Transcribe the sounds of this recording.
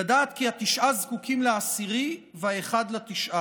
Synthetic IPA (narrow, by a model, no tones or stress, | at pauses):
adaːt̪kiat̪iʃʔazkukʰimleasiʁi | veaeχad̪lat̪iʃʔa